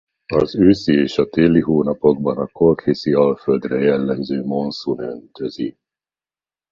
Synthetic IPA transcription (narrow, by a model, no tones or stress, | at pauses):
ɒzøːsieːʃɒt̪eːlːiɦoːnɒpo̞ɡ̚bɒnɒko̞lkhisiɒlføld̪rɛjɛlːɛmzøːmo̞nsunønt̪ʰøzi